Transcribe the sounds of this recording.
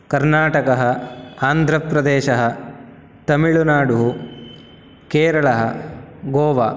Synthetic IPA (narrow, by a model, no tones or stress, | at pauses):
kɐɾnaːʈɐkɐɦɐaːnd̪ʱɾɐpɾɐd̪eːʃɐɦɐ | t̪ɐmiɭunaːɽuɦu | keːɾɐɭɐɦɐɡoːʋaː